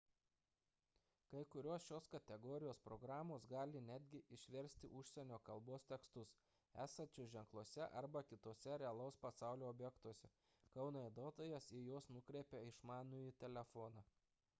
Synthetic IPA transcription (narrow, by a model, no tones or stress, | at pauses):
kɐɪkʊɾʲoːsʃʲoːskɐt̪ʲɛɡɔːɾʲɪjoːspɾɔɡɾɑːmoːsɡɑːlʲɪnʲæːd̪ʲɡʲɪʔɪʃʲʋʲɛɾʲsʲt̪ʲɪ̰ʔʊʃʲsʲɛnʲoːkɐlˠboːst̪ʲɛkst̪ʊs | æːsɐnʲt͡ʃʲʊʒʲɛŋklˠuɔsʲɛʔɐɾbɐkʲɪt̪oːsʲɛɾʲɛɐlˠɐʊspɐsɑˑʊlʲuːɔbʲjɛkt̪oɔsʲɛ | kɐʊnoːɛɪd̪oːt̪oːjɛsɪjoːsnʊkɾʲɛɪpʲɛɪʃmɑːnujiːt̪ʲɛlʲɛfɔːnɑ